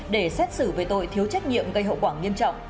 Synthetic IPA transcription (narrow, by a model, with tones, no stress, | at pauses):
ɗe˧˩sɛ˦˥t̚sɨ˧˩ve˨˩t̪o̰˧˨jt̪ʰi˨˦əwt͡ɕa˦˥k̚ɲḭ˧˨əmɣə˧jɦə̰˧˨wkwaː˧˩ŋi˧əmt͡ɕɔ̰˧˨wŋ͡m